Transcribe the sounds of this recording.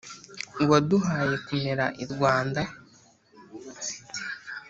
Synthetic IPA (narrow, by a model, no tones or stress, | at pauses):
ŋɡoduɦaːje̞kume̞ɾaʔiɾɡwaːnda